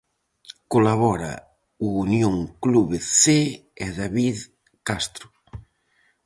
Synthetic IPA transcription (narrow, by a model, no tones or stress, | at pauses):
kolaβɔɾa̰ | uːnjõŋkluβeθeeðaβið | kast̪ɾʊ